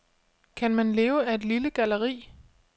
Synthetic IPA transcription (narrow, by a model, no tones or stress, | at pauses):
kʰænmænle̝ːʊæe̝d̥liləɡ̥æləʁḭː